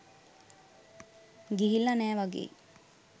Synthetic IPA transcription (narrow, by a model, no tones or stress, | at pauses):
ɡiɦilːanæːʋaɡḛː